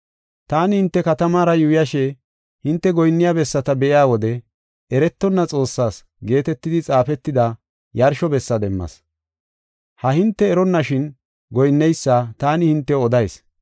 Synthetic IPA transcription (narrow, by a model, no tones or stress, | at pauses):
t̪aːnɪhɪnt̪ːɛkɐt̪ɐmaːɾɐjʊjɐʃɛ | hɪnt̪ːɛɡɔjnːɪjabɛsːɐt̪ɐbɛʔɪjaːwɔd̪ɛ | ɛɾɛt̪ːɔnːɐt͡sʼo̞ːsːaːs | ɡe̞ːt̪ɛt̪ːɪd̪ɪt͡sʼaːfɛt̪ːɪd̪ɐ | jɐɾʃɔbɛsːɐd̪ɛmːɐ̰s | hɐhɪnt̪ːɛːɾɔnːɐʃɪn | ɡɔjnːɛjsːaːt̪aːnɪhɪnt̪ːɛɔd̪ɐjs